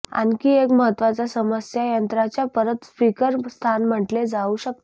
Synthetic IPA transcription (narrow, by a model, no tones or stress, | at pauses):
a̰nkiːekməɦət̪ːʋat͡sasəməsjajənt̪ɾat͡ɕjapəɾət̪spikəɾst̪ʰanm̤əʈled͡zauːɕək̚t̪o